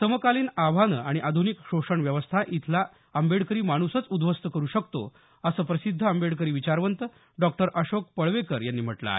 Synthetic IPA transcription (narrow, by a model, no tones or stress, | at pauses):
t̪əməkaliːnaʋanəaɽ̃iʔad̪ʱunikɕoʂəɳʋjəʋəst̪ʰaʔit̪ʰla | əmbeɽkəɾiːmaɽ̃usət͡sud̪ʱʋəst̪əkəɾuːɕəkt̪o̰ | əsəːpɾəsid̪ʱːəəmbeɽk̬əɾiːʋit͡ɕaɾʋənt̪ə | ɖɔk̚ʈəɾʔəɕok̚pəɭʋekəɾjanːiːm̤əʈla̰ɦe